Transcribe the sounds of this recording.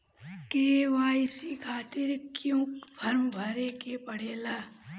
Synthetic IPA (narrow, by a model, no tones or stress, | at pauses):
keːʋaːɪsikʰaːt̪ɪɾkjõːkpʰɐɾmbʱɐɾeːkepɐɽ̤eːlaː